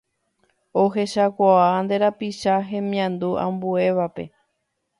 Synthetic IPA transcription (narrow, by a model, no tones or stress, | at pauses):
o̞ɦe̞ʃakʷaand̪e̞ɾapiʃaɦẽ̞mĩãnd̪uʔã̰mbue̞ʋape̞̰